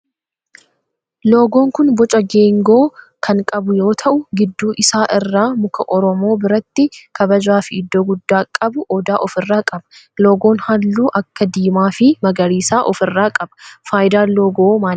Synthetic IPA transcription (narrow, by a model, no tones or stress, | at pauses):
lo̞ːɡo̞ːŋkʊnbɔt͡ʃʼɐɡeːŋɡo̞ː | kʰɐŋkʼɐbʊjo̞ːt̪ʰɐʔʊɡɪd̪ːuːʔɪsaːʔɪrːaːmʊkɐʔɔɾɔmo̞ːbɪɾɐt̪ːɪkɐbɐd͡ʒaːfɪɪd̪ːoːɡʊd̪ːaːkʼɐbʊʔɔd̪aːʔɔfɪrːaːkʼɐbɐ̥loːɡo̞ːnhɐlːuːʔɐkːɐd̪iːmaːfɪmɐɡɐɾiːsaːʔɔfɪrːaːkʼɐbɐ̥faːjd̪aːlːoːɡoːmaː